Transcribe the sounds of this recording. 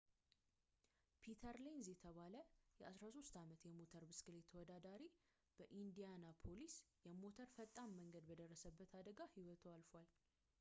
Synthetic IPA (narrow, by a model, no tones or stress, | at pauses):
pʰit̪ʰəɾlenzjɛt̪ʰəβaləjɛʔasɾaso̞st̪amət̪jɛmo̞t̪ʰəɾbɨskɨle̞t̪ʰːəwɔd̪ad̪aɾi | b̥əʔind̪ijanapʰo̞lisjɛmo̞t̪ʰəɾfət̪ʼːamːəŋɡəd̪bəd̪ərːəsəbːət̪ʰad̪əɡahiwɔt̪ʰoalfwal